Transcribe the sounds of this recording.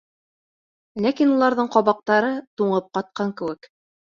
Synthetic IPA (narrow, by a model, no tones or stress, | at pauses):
lækinulˠɑɾðɤɴqɒβɑq̚t̪ɑɾɤt̪uɴɤp̚qɑt̪̚qɑŋkɘ̆wɘk